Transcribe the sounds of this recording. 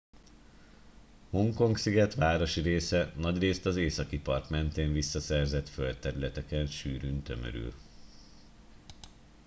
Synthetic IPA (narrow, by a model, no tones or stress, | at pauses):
ho̞ŋko̞ŋksiɡɛt̪ʋaːɾo̞ʃiɾeːsɛnɒɟreːst̪ɒzeːsɒkipɒrt̪mɛnt̪eːɱvisːɒsɛrzɛt̪følt̪ɛɾylɛt̪ɛkɛnʃyːɾynt̪ø̞mø̰ɾy̰l